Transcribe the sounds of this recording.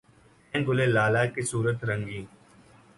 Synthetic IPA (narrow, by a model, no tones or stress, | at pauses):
ẽːɡʊleːlaːlaːkesuːɾət̪ɾə̃ŋɡĩː